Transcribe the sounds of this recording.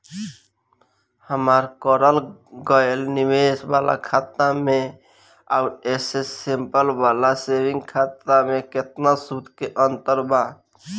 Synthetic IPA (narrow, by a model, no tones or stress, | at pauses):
həmaɾkəɾəlɡəelnimesbala̰kʰat̪ame | a̰uɾesesempəlbalasewĩŋɡkʰat̪ːameket̪nasud̪ʱkeʔənt̪əɾba